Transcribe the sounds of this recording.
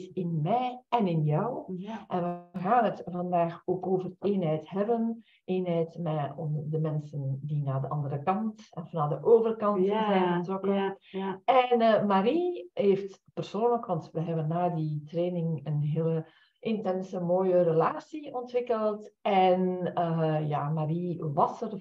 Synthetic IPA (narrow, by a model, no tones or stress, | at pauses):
sɪnmɛjɛnɪnjɔwʔɛnʋəɣaːnətvɑndaːxoːkoːvəreːnɦɛjtɦɛbən | eːnɦɛjtmɛɔmdəmɛnsəndinaːdəʔɑndəɾəkɑntɛnfnaːdəʔoːvərkɑnzɛjnətrɔkən | ɛnmaɾiɦeːftpərsoːnləkʋɑntʋəɦɛbənːaːditreːnɪŋənɦeːlə | ʔɪntɛnsəmoːjərəlaːsiɔntʋɪkəlˠtɛnəja̰ːmariʋɑsər